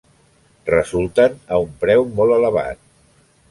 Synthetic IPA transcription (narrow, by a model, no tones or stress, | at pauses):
rəzulˠt̪ənəumpɾɛwmolˠələβ̞a̰t̪̚